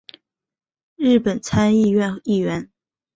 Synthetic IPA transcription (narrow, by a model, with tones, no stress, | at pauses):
ɻ̩˥˩pə˨˩nt͡sʰa˥ni˥˧ɥɛ˥˧˩ni˥˩ɥɛ˧˥n